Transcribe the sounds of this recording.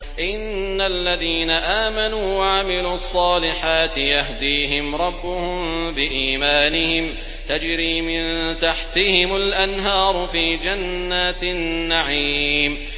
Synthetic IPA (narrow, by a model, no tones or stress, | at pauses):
ʔɪnːalːaðiːnaʔaːmanuːwaʕamɪluːɑsˤːɑːlɪħaːt̪ɪjahd̪iːɦɪmɾˤɑbːʊhʊmbɪʔiːmaːnɪhɪm | t̪ad͡ʒɾiːmɪnt̪aħt̪ɪhɪmʊlʔanɦɑːɾˤʊfiːd͡ʒanːaːt̪nːaʕiːm